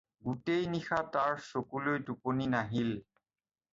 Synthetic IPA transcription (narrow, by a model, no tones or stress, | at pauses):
ɡutejnixataɹsokulojduponinaɦil